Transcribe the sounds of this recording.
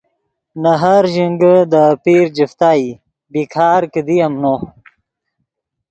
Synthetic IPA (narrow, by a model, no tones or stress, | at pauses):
naɦaɾʒiŋɡəd̪əpiːɾd͡ʑift̪aːi | bikʰaːɾkəd̪ijamno